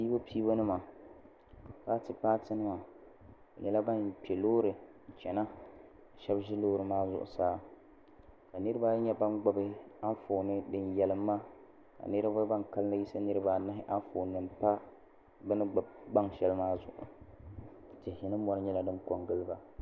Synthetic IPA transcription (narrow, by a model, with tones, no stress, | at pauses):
piː˦bo˦pʰiː˦bo˦nɨ˦ma˨ | pa˦tɨ˨paː˦tɨ˦nɨ˦ma˨ | ɲɛ˦la˦ba˦npɛ˨loː˦ɾɨ˨n̩˨t͡ʃɛ˨na˦˨ | ʃɛ˦bʒɪ˦loː˦ɾɨ˨maː˦zʊ̰˨ʔʊ̰˨saː˦ | ka˨nɨ˦ɾɨ˦baː˦ɲɛ˦ba˦nɡ͡ba˨bɪ˦a˦foː˨nɨ˦dɨ˦njɛ˨lɨ˨˦mː˦aː˦˨ | ka̰˨nɨ˦ɾa˦ba˦ba˦nka˦lɨ˦na˦ji˦sa˦nɨ˦ɾɨ˦ba˦na˦ɦɪ˦ʔa˦foː˨nːɨ˨mpa˦ | bɛ˦nɨ˦ɡ͡ba˨bɡ͡ba˦ŋʃɛ˦lɨ˦maː˦zʊ̰˨ʔʊ̰˨ | tɪ˨hɪ˨nɨ˦mɔ˦nɨ˦ɲɛ˦la˦dɨ˦nko˨ŋɡɨ˦lɨ˦ba˨